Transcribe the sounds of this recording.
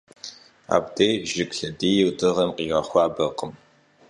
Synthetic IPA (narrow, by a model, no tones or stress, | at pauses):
a̰ːbdejʒɪkʼɬɐdiːjɪwdɨʁɐmqiːʁɐχʷɑːbɐqəm